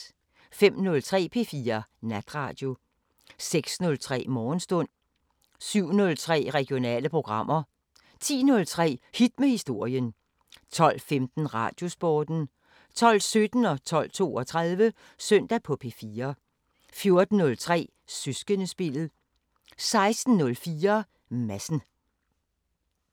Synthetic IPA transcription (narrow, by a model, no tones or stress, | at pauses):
fem̰nɔ̽lt͡sʰʁɛ̰ːpʰe̝ːfiːɐnæd̥ʁɑ̰̈d̥jo̝ | seɡ̥snɔ̽lt͡sʰʁɛ̰ːmɒːnsd̥ɔ̽n̰ | syʊ̰nɔ̽lt͡sʰʁɛ̰ːʁɛɡ̥ijo̝nɛ̰ːləpʰʁo̝ɡ̥ʁɑ̈m̰ɐ | t͡sʰḭːnɔ̽lt͡sʰʁɛ̰ːhid̥̚mehisd̥o̝ɐ̰jən | t͡sʰɒ̽l̰femd̥n̩ʁɑ̈ːd̥jo̝sb̥ɒːd̥n̩ | t͡sʰɒ̽l̰sød̥n̩ɒ̽t͡sʰɒ̽l̰t͡sʰo̝ːɒ̽t͡sʰʁað̞ˠʋə | søn̰d̥æpʰɒ̽pʰe̝ːfiːɐ | fjo̝ɐd̥n̩ːɔ̽lt͡sʰʁɛ̰ː | sysɡ̥ənəsb̥elð̩ˠ | sɑ̈ɪsd̥n̩ːɔ̽lfiːɐ | mæsn̩